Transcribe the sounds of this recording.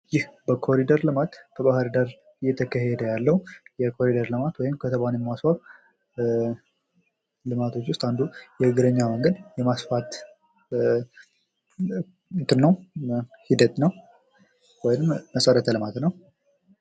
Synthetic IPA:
jɪhbəkʰo̞ɾid̪əɾlɨmat̪bʰəbahɨɾd̪əɾ | ɨjːɛt̪ʰəkʰəɦed̪əjalːəhujɛkʰo̞ɾid̪əɾlɨmat̪wɔjɪmkʰət̪ʰəβanjɛmːasfaɾ | lɨmat̪ʰo̞t͡ʃːwʊst̪and̪ujɛɨɡɨɾəɲːaməŋɡəd̪jɛmasfat̪ | nt̪ɨnːəwhid̪ət̪nəw | wɔjɪnɨmːəsəɾət̪ʰəlɨmat̪nəw

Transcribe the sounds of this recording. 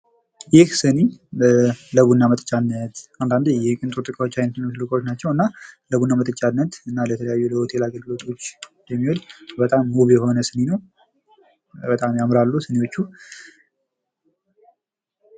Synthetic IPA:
jɪhsɨni | ləβunːamət̪ʼət͡ʃʼanːət̪and̪and̪jɛkʼɨnt̪ʼot̪ʼɨkʼawot͡ʃːajnət̪nmslɨkʼwot͡ʃːnat͡ʃːɛwɨnːaləβunːamət̪ʼət͡ʃʼːanːət̪ɨnːalət̪ʰələjajːuləwt̪ʰelaɡəlɡɨlo̞t̪ʼo̞t͡ʃːjɛmːiwɔlbət̪ʼamːuβjɛho̞nəsɨninəw | bət̪ʼamjamɾalːusɨnewo̞t͡ʃːu

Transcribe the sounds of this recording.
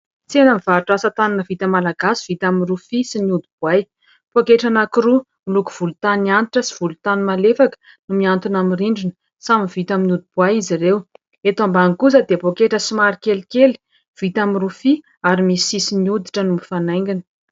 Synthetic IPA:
t͡senəmiv̥aʈ͡ʂasət̪ananəvit̪əmalaɡasi̥v̥it̪aminrufisiniud̪ib̥uaj | pokeʈ͡ʂanakiɾu | milukuv̥ulut̪anianiʈ͡ʂəsi̥v̥ulut̪animalefakə̥ | numiant̪unamiriɳɖ͡ʐinə̥ | saminv̥it̪aminud̪ib̥uajizirew | et̪ambaŋkuzəd̪epokeʈ͡ʂəsimaɾikelikeli̥ | v̥it̪aminrufi | aɾimisisiniud̪iʈ͡ʂənumifanajŋɡinə̥

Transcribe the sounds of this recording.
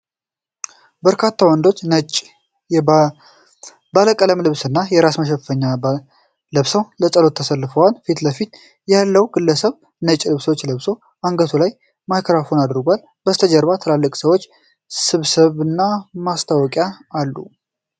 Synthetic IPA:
bəɾkʰat̪ʰːawənd̪o̞t͡ʃːnət͡ʃʼ | baləkʼələmlɨβsɨnːajɛɾasməʃ̬ɛffəɲːa | ləβsəwləsʼəlo̞t̪ʰːəsəlːɨfəwalfit̪ləfit̪ | jalːəwɡɨlːəsəβ | nət͡ʃʼːlɨβswot͡ʃːləβso | ʔaŋɡət̪ʰulaj | majkʰɾafo̞nad̪ɾɡʷal | bəst̪ʰəd͡ʒəɾβat̪ʰəlalːəkʼsəwo̞t͡ʃː | sɨβsɨβɨnːamast̪ʰawɔkʼjaːlːṵ

